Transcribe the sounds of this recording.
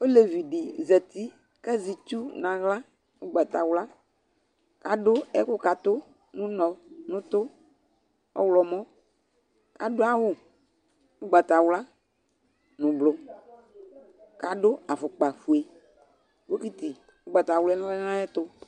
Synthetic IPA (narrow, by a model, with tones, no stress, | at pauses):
o˦le˨vi˨ɖi˨zɛ˨t̪i˦ | kɛ˦zi˨t͡ʃu˦nã˨ɣla˦ | o˦ɡ͡ba˨t̪a˨wla˦ | ka˨ɖʊ˦ɛ˦kʊ˦ka˨t̪ʊ˦ | nũ˦nɔ̃˨nũ˦t̪ʊ˦ | ɔ̰˦wlɔ˨mɔ̃˦ | ka˨ɖo˦a˦wʊ˦ | o˦ɡ͡ba˨t̪a˨wla˦ | nũ˨blʊ˦ | ka˨ɖʊ˦a˨fʊ˨k͡pa˨fu˨e˨ | wo˦ki˦t̪i˨ | wo˦ɡ͡ba˨t̪a˨wlɛ˦nã˦lɛ˦nã˦ɛ˦t̪ʊ˦